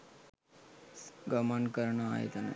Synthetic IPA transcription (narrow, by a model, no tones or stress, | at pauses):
ɡəmənkəɾɳəaɦḛt̪anḛ